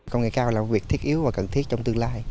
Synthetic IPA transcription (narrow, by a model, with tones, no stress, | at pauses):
kɔ˧wŋ͡mŋḛ˧˩kaː˧wlaː˨˩˨vi˨˩ək̚t̪ʰi˦˥ət̚ʔi˨˦əwvaː˨˩kə˨˩nt̪ʰi˦˥ət̚t͡ɕɔ˧wŋ͡mt̪ɨ˧əŋlaː˧j